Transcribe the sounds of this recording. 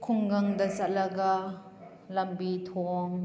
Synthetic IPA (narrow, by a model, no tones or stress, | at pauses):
kʰʊŋɡɐŋd̪ɐsalɐka | lɐmbit̪ʰɔŋ